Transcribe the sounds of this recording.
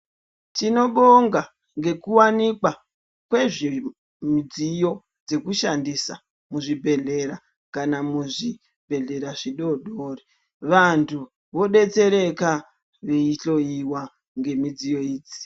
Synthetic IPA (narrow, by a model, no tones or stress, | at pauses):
tino̞ɓoŋɡa | ŋɡe̞kuwanikwa | kwe̞ʐi | mid͡zijo̞ | d͡ze̞kuʃandisa̰ | muʐibʱe̞ɮe̞ɾa | kanamuʐi | bʱe̞ɮe̞ɾaʐiɗo̞ɗoːri | ʋantʰu | ʋo̞ɗe̞t͡se̞ɾe̞ka | ʋeiɬo̞iwa | ŋɡe̞mid͡zijo̞iːd͡zi̥